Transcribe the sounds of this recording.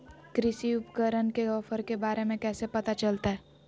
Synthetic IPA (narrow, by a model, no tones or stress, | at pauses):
kɾɪʃiʊpkəɾənkeɔfəɾkebaːɾemẽkɛːsepɐt̪at͡ʃɐlt̪aɦɛː